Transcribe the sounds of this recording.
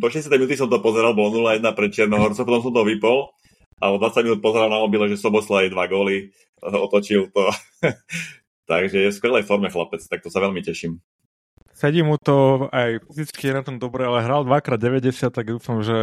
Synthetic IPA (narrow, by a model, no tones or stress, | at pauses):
pɔʃɛɛsjt̪ɛjminut̪is̬ɔmt̪ɔpɔzɛɾalbɔlɔnulajɛd̪napɾɛt̪̚t͡ʃɪɛɾnɔɦɔɾt͡sɔpɔt̪ɔ̃ms̬ɔmt̪ɔʋipɔl | ʔalɛd̪ʋat͡sːaɟminuːt̪̚pɔzɛɾalnaɔbilɛʒɛsɔbɔslɔajd̪ʋaɡɔːli | ɔt̪ɔt͡ʃilt̪ɔ | t̪aɡʒɛjɛfskʋɛlɛjfɔɾmɛxlapɛt͡st̪ak̚t̪ɔsaʋɛlmicɛʃim | sɛɟiːmut̪ɔajfizit͡skijɛnat̪ɔmd̪ɔbɾɛalɛɦɾaːld̪ʋakɾaːd̪̚ɟɛʋɛɟɛsɪat̪̚tːaɡd̪uːfamʒɛ